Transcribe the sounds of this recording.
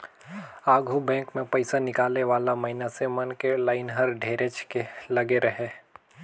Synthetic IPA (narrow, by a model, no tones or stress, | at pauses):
aːɡʱubɛ̃ːkmẽpəɪsanɪkaːlneʋaːlamɐɦɪnasemɐnkelaːɪnɦɐɾɖʱeːɾet͡ʃkelɐɡeɾɐɦeː